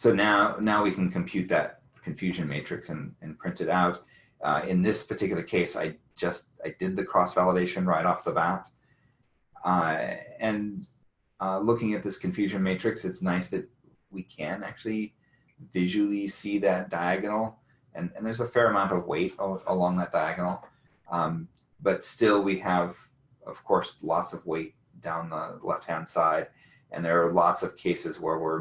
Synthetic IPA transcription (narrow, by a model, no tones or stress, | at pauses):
soʊnaʊnaʊwikʰn̩kʰɨ̃m̩pʰj̥ʉt̪̚ðɨ̰t̚ | kʰɨ̃ɱfjʉʒɨ̃nmeɪt͡ʃɹ̥ɨksɨ̃nɨ̃npʰɹ̥ɪ̃ntɨɾaʊɾ | ʌ̰ɪ̃nðɪspʰə˞tʰɪkjl̩ˠə˞kʰeɪsa̰ɪ | d͡ʒʌst̚aɪdɨd̪̚ðɨkʰɹ̥ɔsv̥ælˠəɾeɪʃɨ̃nɹaɪɾɔfðəbæt | ʌɨ̃n | ʌlʊkɪ̃ŋɨt̪̚ðɪskʰɨ̃ɱfjʉʒɨ̃nmeɪt͡ʃɹ̥ɨksɨtsnaɪsðɨt̚ | wikʰɨ̃næ̰k̚t͡ʃʉl̩ˠi | vɪʒwl̩ˠisiðɨt̚d̥aɪæɡɨnl̩ˠ | ʔɨ̃nɨ̃nðə˞zəfɛɹɨmãʊ̃ntʌvwḛɪɾə̰lɔ̃ŋðɨt̚d̥aɪæɡnl̩ˠ | b̥ʌtstɪlˠwiəv | ʌ̰v̥kʰɔɹslɔtsʌvweɪt̚ | d̥ãʊ̃nðə̰lɛ̰ft̚hæ̃nd̥saɪd | ʔɨ̰̃nðə˞ːlɔtsʌv̥kʰeɪsɨzwə˞wɪɹ